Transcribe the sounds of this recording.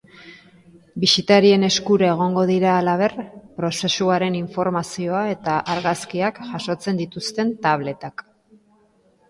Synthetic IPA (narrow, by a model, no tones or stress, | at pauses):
bisit̪aɾie̞ne̞skuɾae̞ɣ̞o̞ŋɡo̞ðiɾaːlaβ̞e̞rpɾo̞se̞suaɾe̞niɱfo̞ɾmasio̞ae̞t̪aʔaɾɣaskiakʝaʃo̞t͡se̞nd̪it̪ust̪e̞nt̪aβ̞le̞t̪ak